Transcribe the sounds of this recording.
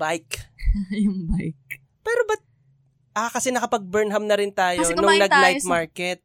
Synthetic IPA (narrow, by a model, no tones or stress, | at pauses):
bajkjʊŋbajk | pɛːɾobɐt̪̚ | ʔakɐsɛnɐkɐpɐɡ̚bɛɹnɦɐmnɐɾɪnt̪aːjo̞nnʊŋnɐɡlajt̪̚maɹkɛt̪̚